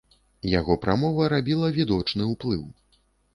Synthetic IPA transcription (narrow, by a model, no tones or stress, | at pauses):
jaɣɔpɾamɔvɐɾabʲilˠɐvʲid̪ɔt͡ʂnɨwplˠɨw